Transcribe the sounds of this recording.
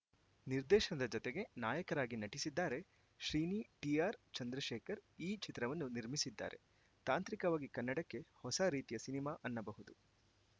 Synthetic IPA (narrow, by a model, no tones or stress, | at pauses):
niɾd̪ɛːʃɐnɐd̪ɐd͡ʒɔt̪eɡe̞naːjɐkɐɾaːɡinɐʈisid̪ːaːɾe̞ | ʃɾiːniːʈiaːɾt͡ʃɐnd̪ɾɐʃɛːkɐɾiːt͡ʃit̪ɾɐʋɐnːuniɾmisid̪ːa̰ːɾʔe̞̰ | t̪aːnt̪ɾikɐʋaːɡikɐnːɐɽɐkːe̞hɔsɐɾiːt̪ijɐsinimaːʔɐnːɐbɐɦud̪u